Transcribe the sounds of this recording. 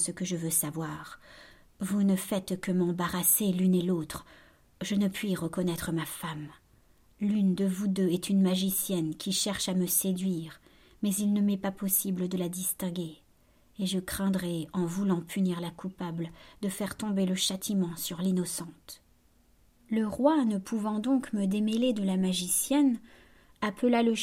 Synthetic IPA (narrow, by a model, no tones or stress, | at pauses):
səkəʒəvøsavwaʁ | vunəfɛt̪kəmɑ̃baʁaselynelot̪χ | ʒənəpɥiʁəkɔnɛt̪χəmafam | lynd̪əvud̪øɛt̪ynmaʒisjɛnkʲiʃɛʁʃaməsed̪ɥiʁ | mɛzilnəmɛpapɔsibləd̪əlad̪ist̪ɛ̃ɡʲeː | ʒəkχɛ̃d̪ʁɛɑ̃vulɑ̃pʰyniʁlakʰupabld̪əfɛʁt̪ɔ̃beləʃat̪ʰimɑ̃syʁlinɔsɑ̃t̪ | ləʁwanəpʰuvɑ̃d̪ɔ̃kməd̪emeled̪əlamaʒisjɛn | apʰəlalə